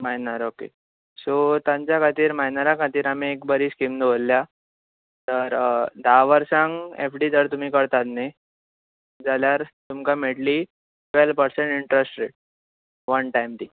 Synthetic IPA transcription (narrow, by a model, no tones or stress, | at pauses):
majnaɾokḛ | sot̪ãɲt͡ɕjakʰat̪iːɾmajnaɾakʰat̪iːɾam̤iekbəɾiːskiːmnʋolːja | t̪əɾd̪aʋəɾsãŋɡefɖiːd͡zəɾt̪um̤iːkəɾt̪at̪ne | d͡zaljaɾt̪umkameɽliː | ʈʋelpəɾsẽɳʈiɳʈɾəsʈɾeʈ̚ | ʋənʈajmt̪iː